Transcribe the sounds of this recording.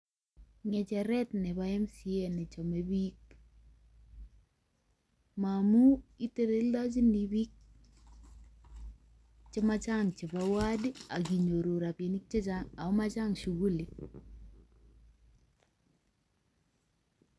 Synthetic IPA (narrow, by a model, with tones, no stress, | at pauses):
ŋɛ˨t͡ʃɛ˨ɾɛ˦tnɛ˨ba˦ɛ˦msi˦e˦˨nɪ˨t͡ʃɔ˨me˦bi˦k̚ | ma˨mu˦i˦te˦ɾe˦lda˦t͡ʃi˦ni˨bi˦k̚ | t͡ʃɪ˦ma˦t͡ʃa˦ŋt͡ʃɪ˨ba˦wa˦dɪ˦a˨ɡi˨ɲo˨ɾo˨ɾa˨pje˨ni˦k̚t͡ʃe˦t͡ʃaŋa˨ʊ˦ma˦t͡ʃa˦ŋʃu˨ɡu˦li˨